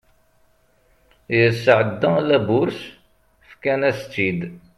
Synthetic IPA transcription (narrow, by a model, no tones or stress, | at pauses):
jəsːəʕəd̪ːælæbʊɾs | fkænæst͡sːid̪